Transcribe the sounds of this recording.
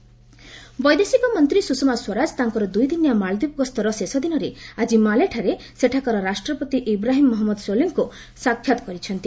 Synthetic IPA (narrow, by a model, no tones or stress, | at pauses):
bɔjd̪esikɔmɔnt̪ɾisusɔmaswɔɾad͡ʒt̪aŋkɔɾɔd̪ujd̪injamaɭd̪ipɡɔst̪ʰɔɾɔsesɔd̪inɔɾead͡ʒimaleʈʰaɾe | seʈʰakɔɾɔɾasʈɾɔpɔt̪iʔibɾaɦimːɔɦɔmːɔd̪soliŋku | sakʰjat̪ɔ̥kɔɾit͡ʃʰɔnt̪i